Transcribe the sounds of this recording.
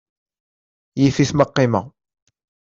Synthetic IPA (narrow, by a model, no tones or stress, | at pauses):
jifiθməqːima